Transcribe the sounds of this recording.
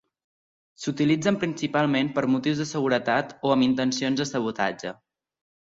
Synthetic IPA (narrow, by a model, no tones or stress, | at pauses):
sut̪ilid͡zəmpɾinsipalˠmempəɾmut̪iwzðəsəɣuɾət̪at̪oəmint̪ənsionzðəsəβ̞ut̪a̰d͡ʒə